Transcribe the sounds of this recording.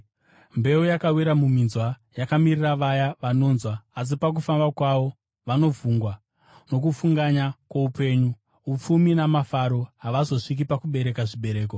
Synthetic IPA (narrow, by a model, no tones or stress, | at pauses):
mbe̞ujakawiɾamum̤inzwa | jakamiriraʋajaʋano̞ːnzwaːs̬ipak̬ufambakwaʋo̞ | ʋano̞vuːŋɡwa | no̞k̬ufuŋɡaɲakwoupe̞ːɲu | up͡fuminamafaɾo̞ɦaʋazo̞ʂik̬ipakuɓe̞ɾe̞kaʐiɓe̞ɾe̞ːko